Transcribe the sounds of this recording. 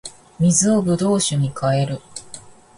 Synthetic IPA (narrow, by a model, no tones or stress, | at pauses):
mʲizɨo̞bɯ̟d̪o̞ːɕɨɲ̟ikʰae̞ɾɯ̟